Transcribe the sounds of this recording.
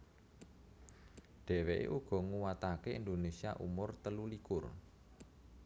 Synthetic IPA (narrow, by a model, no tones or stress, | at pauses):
ɖ̪̥ɛ̤weʔḛʔuɡ̥ɔ̤ŋuwat̪akeind̪onesiaʔṵmʊrt̪əlulikʊr